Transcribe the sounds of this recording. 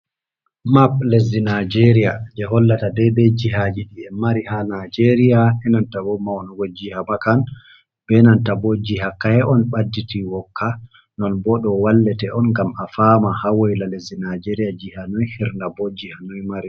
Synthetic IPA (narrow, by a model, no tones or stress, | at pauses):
maplezinad͡ʒeɾijad͡ʒɛɦɔlːatadɛdɛd͡ʒiɦad͡ʒiɗiɛmaɾihanad͡ʒeɾijaɛnantawɔmawnɔɡɔd͡ʒihamakan | bɛnantabɔd͡ʒihakːahɛʔɔnɓadːitiwɔkːa | nɔnbɔɗɔwalːɛtɛɔnŋɡamafamahawɔjlalezinad͡ʒeɾijad͡ʒihanɔjhiɾndabɔd͡ʒihanɔjmaɾi